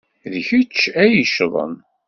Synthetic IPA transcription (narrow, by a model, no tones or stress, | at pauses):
ðçit͡ʃːæjiʃðˤə̰n